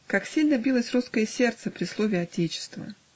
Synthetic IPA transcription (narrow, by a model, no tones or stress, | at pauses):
kaksʲilʲnəbʲilˠəsʲruskəjəsʲe̞rt̪səpɾʲɪslˠovʲɪɐtʲet͡ɕɪ̥st̪və̰